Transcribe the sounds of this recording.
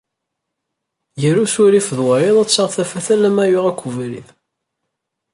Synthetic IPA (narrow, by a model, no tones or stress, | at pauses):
jəɾusuɾifəðwəɾiðˤæt͡sːəʁθæfæθælæmæjʊʁækʷːuvɾḭð